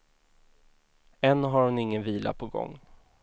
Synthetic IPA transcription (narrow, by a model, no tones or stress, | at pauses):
ɛnːɦaɾhʊnɪŋːənviːla̰pʰɔɡɔ̰ŋː